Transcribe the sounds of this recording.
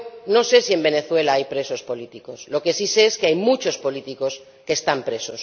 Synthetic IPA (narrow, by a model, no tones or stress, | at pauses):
no̞se̞sie̞mbe̞ne̞θwe̞laajpɾe̞so̞spo̞lit̪iko̞slo̞ke̞siseeskeajmut͡ʃo̞spo̞lit̪iko̞s | keːst̪ampɾe̞so̞s